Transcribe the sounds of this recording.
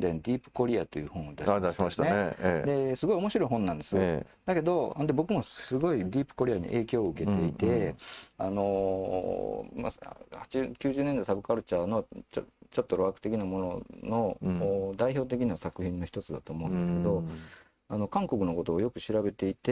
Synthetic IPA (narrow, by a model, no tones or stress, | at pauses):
d̪ainod̪ʲiːpɯ̥ko̞ɾʲiat̪ːe̞jɯ̟ːhõ̞ɰ̃od̪aiasased̪e̞sɨɡo̞io̞mo̞ɕiɾo̞iɦõ̞nːãnd̪e̞sɨd̪ake̞d̪õ̞nd̪e̞bo̞kɯ̟mo̞sɨɡo̞id̪ʲiːpɯ̥ko̞ɾʲijaɲ̟ḭʔe̞ːkʲo̞ːɯ̟ke̞t̪e̞it̪e̞ano̞ | ma̰hat͡ɕikʲɨːʑɨːnẽnd̪aisabɯ̟kaɾɯ̟t͡ɕano̞t͡ɕot͡ɕo̞t̪ːo̞ɾoakɯ̟t̪e̞kʲinamo̞nono̞ːd̪aiço̞ːt̪̬e̞kʲiɲisakɯ̟çĩnːo̞çi̥t̪o̞t͡sɨd̪at̪o̞ːmo̞ɯ̟̃nd̪esɨ̥ke̞d̪o̞ | ano̞kãŋko̞kɯ̟no̞ko̞t̪o̞ːjo̞kɯ̟ɕiɾabe̞t̪e̞it̪e